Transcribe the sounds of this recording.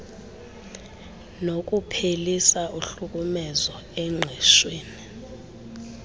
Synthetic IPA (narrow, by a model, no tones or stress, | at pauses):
nok̬ʼupʰelisaʔuɬuk̬ʼumɛzɔ | ɛŋ͡ǁʱɛʃweːni